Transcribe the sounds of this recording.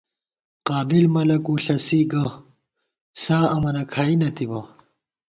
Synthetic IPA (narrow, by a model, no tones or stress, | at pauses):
qaːbilmɐlɐkuːɬɐsiɡɐ | saːɐmɐnɐkʰaːinɐt̪ibɐ